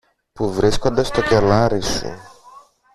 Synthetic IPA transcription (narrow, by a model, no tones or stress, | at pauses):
puvɾiskod̪ɐst̪ocʲelaɾisṵ